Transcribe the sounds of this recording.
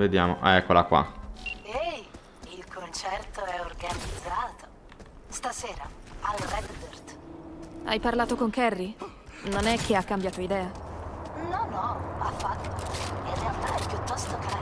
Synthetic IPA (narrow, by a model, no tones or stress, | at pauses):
ved̪jaːmo̰ʔaɛkːolakwa̰ | ej | ilkʰont͡ʃɛrt̪oɛorɡanid̪zaːt̪o | st̪aseːɾaalrɛd̪bert̪ | a̰jparlaːt̪okoŋkɛrːi | nonɛk̟ːeakːambjaːt̪oid̪ɛːa | nɔnɔafːat̪ːoːirːealt̪aɛpjut̪ːɔst̪oka